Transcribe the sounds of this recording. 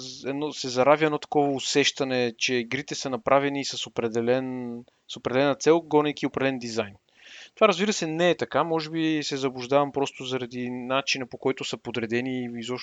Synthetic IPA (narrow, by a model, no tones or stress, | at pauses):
ɛd̪nɔsɛzɐɾavʲjəɛdnɔt̪ɐ̥kɔvɐʊsɛʃt̪ɐnɛt͡ʃɛiɡɾit̪ɛsɐnɐpɾʔavɛniːsɐsopɾɛd̪ɛlɛn | sopɾɛd̪ɛlɛnət̪sɛlˠɡɔnɛkiopɾɛd̪ɛlɛnd̪izajn | t̪ovaɾəzbiɾəsɛnɛːt̪ɐkamɔʒɛbisɛzɐbuʒd̪avɐmpɾɔst̪ʊzɐɾɐd̪inat͡ʃinɐpokɔjt̪ʊsəpod̪ɾɛd̪ɛniizɔʃ